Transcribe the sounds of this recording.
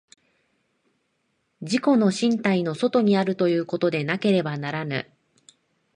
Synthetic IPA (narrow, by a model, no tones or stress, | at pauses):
d͡ʑiko̞no̞ɕĩnt̪aino̞so̞t̪o̞ɲ̟iaɾɯ̟t̪o̞jɯ̟ːko̞t̪o̞d̪e̞nake̞ɾe̞banaɾanɯ̰